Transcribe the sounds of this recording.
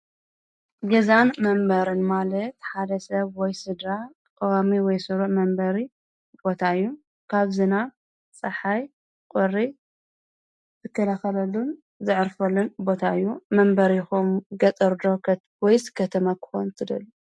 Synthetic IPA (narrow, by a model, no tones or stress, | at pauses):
ɡɐzanmɐmbɐɾɨnmalɐt̪ħad̪ɐsɐβwɔjsɨd̪ɾa | kʼɐwamiwɔjsɨɾuʕmɐmbɐɾi | bo̞t̪ʰaɨjːu | kʰaβzɨna | t͡sʼɐħaj | kʼɨrːi | zɨkʰːɐlaxɐlɐlːun | zɨʕɨɾfɐlːunbo̞t̪ʰaɨjːumɐmbɐɾjɪxomɡɐt̪ʼɐɾd̪o̞ | wɔjzɨ̥kʰːɐt̪ʰɐmɐkʰɨ̥xont̪ʰɨd̪ɐ̰lːu